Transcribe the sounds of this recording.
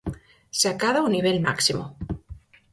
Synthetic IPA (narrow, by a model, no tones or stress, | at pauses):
seakaðauniβ̞elma̰ksimo